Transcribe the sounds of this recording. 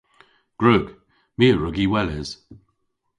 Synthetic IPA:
ɡ̥ɹʉːɡ | miːɹʊɡiwɛlɪz̥

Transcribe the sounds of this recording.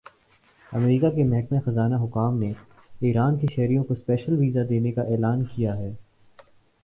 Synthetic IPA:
ɐ̰mɾiːkakemɛɦkmexɐzaːnaɦʊkaːmne | iːɾaːnkeʃɛɦɾijõkospɛːʃəlʋiːzad̪eːnekaʔɛːlaːnkijaɦɛː

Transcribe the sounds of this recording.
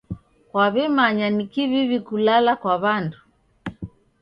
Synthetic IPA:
kwaβɛmaɲanikiβiβikulalakwaβandu

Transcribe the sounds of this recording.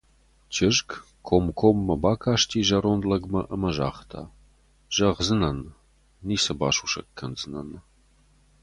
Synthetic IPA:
t͡ʃʰɪʒk | kʰomkʰomːɐbaːkʰaːʂtʰiːʒɐɾond̪lɐɡmɐʔɐmɐʒa̰ːχtʰa̰ː | ʒ̥ɐʁzɨnɐnː | iːsɐbaːʂuʃɐ̰kkʰːɐnzɨnɐ̰n

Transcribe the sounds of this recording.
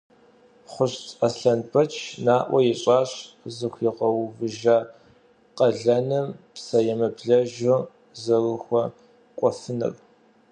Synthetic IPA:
χʷʊɕtʼasɬɐnpʰɐt͡ʃʰnaːʔʷɐjɛɕʼaːɕ | zɨxʷiːqɐwvɨʒa | qʼɐɮɐnɨmpsɐjɛmɐbɮɐʒo | zɐrɨxʷɔ | kʷʼɔfɨnɐ̰rʼ

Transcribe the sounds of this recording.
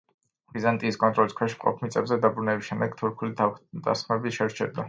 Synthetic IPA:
bizant̪ʼiːskʼɔnt̪ʼɾɔliskʰwɛʃmqʼɔ̰pʰmit̪sʼɛbzɛd̪abɾunɛbisʃɛmd̪ɛɡt̪ʰuɾkʰulid̪asmɛbiʃɛɾt͡ʃʰɛɾd̪a

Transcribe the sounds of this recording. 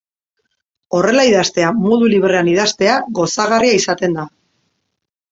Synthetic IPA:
o̞re̞laiðast̪e̞amo̞ðuliβɾe̞aniðast̪e̞aɣo̞saɣariaisat̪e̞nd̪a

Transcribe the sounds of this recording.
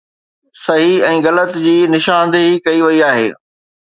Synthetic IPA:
sɐɦiɛ̃ːɣɐlət̪d͡ʑiːnɪʃãːn̆d̪ɦikɐiʋɐiaːɦḛː

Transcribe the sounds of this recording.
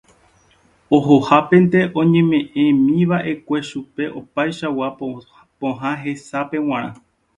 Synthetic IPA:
o̞ɦo̞hapẽ̞nt̪e̞ʔõ̞ɲẽ̞mẽ̞ʔẽ̞mĩʋaʔe̞kʷe̞ʃupe̞ʔo̞pajʃawa | põɦãɦe̞sapẽ̞w̃ãɾ̃ã̰

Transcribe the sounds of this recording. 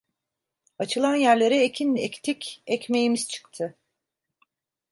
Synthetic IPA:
at͡ʃʰɯlˠanjæɾlʲe̞ɾɛecʰinect̪ʰicʲɛcme̞jimiz̥t͡ʃʰɯ̥kt̪ʰɯ

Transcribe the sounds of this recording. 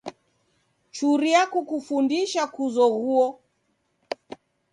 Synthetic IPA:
t͡ʃuɾiakukufundiʃakuzɔɣuɔ

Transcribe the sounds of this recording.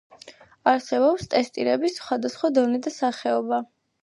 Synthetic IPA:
aɾsɛbɔpst̪ʼɛst̪ʼiɾɛbisχwad̪asχwad̪ɔnɛd̪asaχɛɔba

